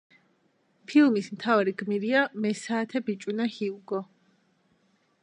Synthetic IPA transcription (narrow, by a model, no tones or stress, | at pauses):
pʰilˠmismt̪ʰavaɾiɡmiɾiamɛsaːt̪ʰɛbit͡ʃʼunahiuɡɔ